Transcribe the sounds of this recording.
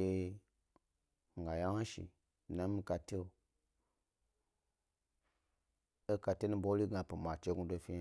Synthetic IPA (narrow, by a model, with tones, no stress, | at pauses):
e˦ | ŋ˨ɡa˨ja˦a˦ʃḭ˨ | nã˦mi˧ka˧te˦o˨ | e˦ka˧te˦nũ˦bo˦li˦ɡã˨˧pi˨ma˨t͡ʃe˦ɡu˧do˧fi˦a˦